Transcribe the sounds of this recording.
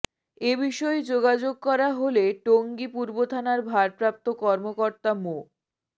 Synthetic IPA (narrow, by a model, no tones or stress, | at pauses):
ebiʃɔed͡ʑoɡad͡ʑoɡ̚kɔɾaɦoleʈoŋɡipuɾbot̪ʰanaɾbʱaɾpɾap̚t̪okɔɾmokoɾt̪amo